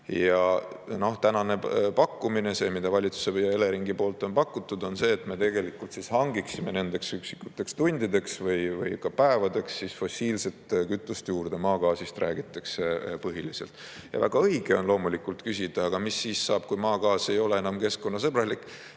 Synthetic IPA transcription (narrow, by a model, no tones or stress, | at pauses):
jɑ | no̞ht̪ænɑne̞pɑkːumine̞se̞ːmid̪̥ɑvɑlʲit̪su̥sejɑe̞le̞ɾiŋɡipo̞ːlt̪ːˑo̞npɑkːˑut̪ːˑud̪o̞nse̞ːt̪me̞t̪e̞ɡ̥e̞likːˑult̪sishɑŋɡiksimene̞nd̪̥e̞ksyksi̥kːˑut̪ːˑe̞kst̪unʲd̪̥id̪e̞ksvɤjvɤ̰jkɑpæevɑd̪e̞ksːisfo̞siːlse̞t̪kyt̪ːˑust̪juːrd̪̥e̞mɑːkɑːsist̪ræːɡ̥it̪ːˑɑkse̞pɤɦilise̞̰lt̪ˑ | jɑ̰væ̰ɡ̥ɑɤ̞jɡ̥e̞o̞nlo̞ːmulikult̪kysʲid̪̥ɑɑɡ̥ɑmisːiːsːɑːb̥̚kujmɑːɡɑːse̞jo̞le̞enɑmke̞sko̞nːɑsɤb̥rɑlikːˑ